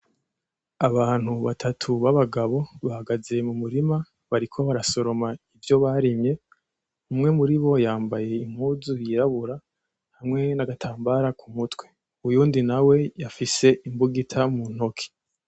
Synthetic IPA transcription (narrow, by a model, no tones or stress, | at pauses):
aβaːn̥huβatʰatʰuβaβaɡaβo̞βahaɡaze̞mumuɾima | βaɾikʰo̞βaɾaso̞ɾo̞maivjo̞βaɾimɲe̞ | umŋe̞muɾiβo̞jaːmbaje̞im̥huːzujiɾaβuɾa | hamŋe̞naɡatʰaːmbaɾakʰumutwe̞ | ujuːndinawe̞jafise̞ʔimbuɡitʰamun̥ho̞kʰi̥